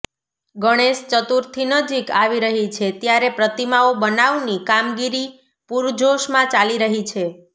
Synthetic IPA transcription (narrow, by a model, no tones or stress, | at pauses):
ɡəɽ̃eʃt͡ʃət̪uɾt̪ʰinəd͡ʒikaʋiɾəɦit͡ʃʰet̪jaɾepɾət̪imaobənaʋnikamɡiɾi | puɾd͡ʒʱoʃmãt͡ʃaliɾəɦit͡ʃʰe